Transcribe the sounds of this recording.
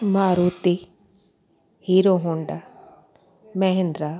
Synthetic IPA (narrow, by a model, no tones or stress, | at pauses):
maːɾuːt̪i | hiːɾoɦoɳɖa | mɐɦend̪ɾa